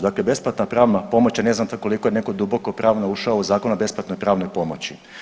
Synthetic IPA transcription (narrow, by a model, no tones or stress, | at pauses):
d̪aklebe̞splˠat̪napɾaːʋnapo̞mot͡ɕjane̞znamt̪ko̞liko̞jene̞kod̪ubo̞kopɾaːʋnauʃaouzaːkonabe̞splˠat̪no̞jpɾaːʋno̞jpo̞mo̞t͡ɕi